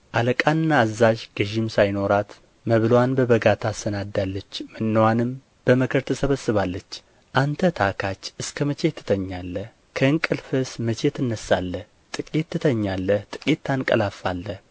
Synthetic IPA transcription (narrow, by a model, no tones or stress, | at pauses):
ʔaləkʼanɨnːaːzːaʒɡ̥əʒimsajno̞ɾat̪ | məβlwanbəβəɡat̪ʰasənad̪ːalːət͡ʃːmɨnːəwanɨm | b̥əməkʰəɾt̪ʰəsəβəsːɨβalːət͡ʃː | ʔant̪ʰət̪ʰakʰat͡ʃːɨskʰəmət͡ʃe̞t̪ʰːɨ̥t̪ʰəɲːalːə | kʰəɨŋkʼɨlfɨsmət͡ʃʰet̪ɨnːəsːalːəh | t̪ʼɨkʼit̪ːɨt̪ʰəɲːalːəht̪ʼɨ̥kʼit̪ːankʼə̰lafa̰lːəh